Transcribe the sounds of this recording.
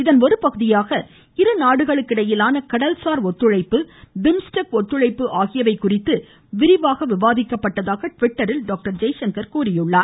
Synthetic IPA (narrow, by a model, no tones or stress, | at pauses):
ɪðɐnɔɾɯpɐɣɯðɪjaːɣɐ | ɪɾɯnaːɽɯɣɐɭɯkːɪɽɐjɪlaːnɐkɐɽɐlsaːɾɔt̪ːɯɻɐɪpːɯd̪ɪmsʈɐkɔt̪ːɯɻɐɪpːɯʔaːɣɪjɐʋɐɪkːʊrɪt̪ːɯ | ʋɪɾɪʋaːɣɐʋɪʋaːðɪkːɐpːɐʈːɐðaːɣɐʈʋɪʈːɐɾɪlɖaːk̚ʈɐɾd͡ʒɐjʃɐŋkɐɾkuːɾɪjɯɭːaːɾ